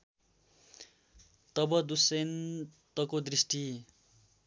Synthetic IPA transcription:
t̪ʌbʌd̪usent̪ʌkod̪risʈi

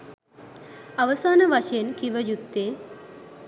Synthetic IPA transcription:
ɐʋəsaːnəʋaʃɐjenkiʋəjut̪ːeː

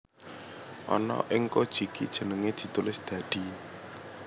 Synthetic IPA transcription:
ʔɔ̰nɔ̰ʔɪŋkod̥ʒ̥i̤kid̥ʒ̥ə̤nəŋed̪̥i̤t̪ulɪsd̪̥ä̤d̪̥i̤

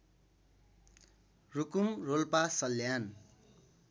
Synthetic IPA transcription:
rukumrolpasʌljan

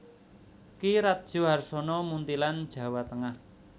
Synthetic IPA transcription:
kiɾat̪̚d̥ʒ̥o̤ɦarsɔnɔmunt̪iland̥ʒ̥ä̤wat̪əŋah

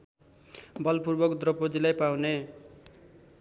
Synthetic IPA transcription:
bʌlpurbʌkd̪rʌpod͡zilajpawne

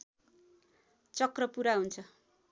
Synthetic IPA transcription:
t͡sʌkrʌpuɾaɦunt͡sʰʌ

